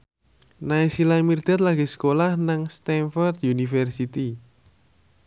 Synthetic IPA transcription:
naisilamird̪̥at̪̚laɡ̥isə̥kolahnaŋst̪ɛnfɔrd̪junifɛrsit̪i

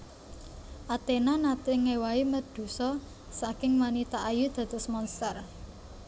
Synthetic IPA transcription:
ʔat̪enanat̪ɪŋewaiməd̪̥ṳsɔ | sakɪŋmanit̪aʔajud̪̥ä̤d̪̥ʊ̤smɔnst̪ər

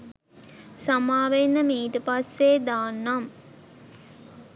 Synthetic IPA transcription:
samaːʋenːəmiːʈəpasʋeːd̪aːnːam

